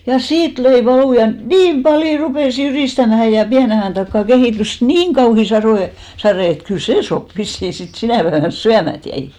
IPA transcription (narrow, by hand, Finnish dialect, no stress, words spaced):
jɑ siːt løi ʋɑluˑ jɑ niːm pɑljo rupeˑs jyriˑstæmæhæ jɑ piæne ɑjɑˑn tɑkːɑˑ kehiˑtys niːŋ kɑuhi sɑroˑ sɑreˑ et kyl seː sop ʋisːiˑ sit sinæˑ pæeʋæn syæmæt jæi